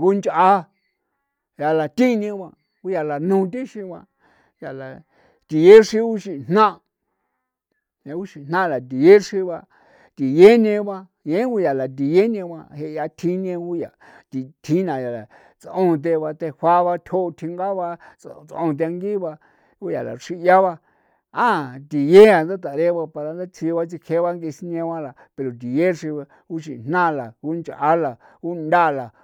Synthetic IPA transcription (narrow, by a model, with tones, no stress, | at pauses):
ɡu˦nt͡ʃʔa˧ | ja˧˨la˨t̪ĩ˦ɲẽ˧βã˧ | ku˦ja˧la˨nũ˧t̪ĩ˦ʃĩ˧βã˧ | ja˨la˨ | t̪i˨je˦ʂĩ˧u˦ʃi˧n̥nã˦ | ẽ˧˦u˦ʃi˨n̥nã˦˨la˨t̪̬i˨je˦ʂi˧βa˧ | t̪i˨je˦ɲẽ˧βã˧ | jẽ˨˦ku˦ja˨la˨t̪̬i˨je˦ɲẽ˧βã˧he˧ʔja˧t̪ʰĩ˧˦ɲẽ˧ɡu˦ja˨ | t̪i˧t̪ʰĩ˦nã˨ja˨la˨ | t͡sõ˧t̪̬e˧βa˧t̪e˧hʷa˦βa˧t̪ʲʰo˦˧t̪ʰi˧ŋɡa˦βa˧t͡st͡sõ̰˧t̪̬e˧a˧ŋɡi˦βa˧ | ku˦ja˨la̰˨ʂi˦˧ja˦βa˧ | ã˦˨t̪i˨je˦a˨nd̪a˦t̪̬a˨ɾe˦βa˧pa˧ɾa˧nd̪a˦t͡sʰi˧βa˦t͡si˧kʰe˧˦βa˦ŋɡe˧si˧ɲẽ˧wã˦la˨ | pe˧ɾo˨t̪̬i˨je˦ʂi˧βa˧ | ku˦ʃi˧˨n̥nã˦˧la˨ku˦nt͡ʃa˦la˨ | ku˦nd̪a˦˧la˨